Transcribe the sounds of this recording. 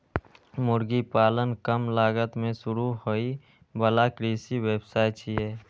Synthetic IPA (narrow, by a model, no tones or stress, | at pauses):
mʊɾɡipaːlənkəmlaːɡət̪mẽsʊɾuɦoi | bəlakɾiːsiweːbsaːɪt͡ʃʰiɦɛː